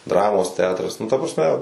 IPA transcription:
ˈdrɑːmoːs ˈtʲɛɐtrɐs nʊ tɐ prɐsʲˈmʲɛ

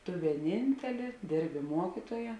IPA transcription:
tʊ ʋʲiɛˈnʲɪnʲtʲɛlʲeː ˈdʲeːrʲbʲɪ ˈmuɔkʲɪtuɔjɛ

